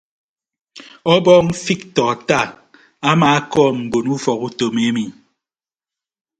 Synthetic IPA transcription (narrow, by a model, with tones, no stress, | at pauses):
ɔ˦bɔ˦ŋ̩˦fi˦k̚tɔ˨ta˦˨ | a˦maː˨a˦kɔː˦˨m̩˨bo˨nu˦fɔ˨ku˦to˨me˦mi˨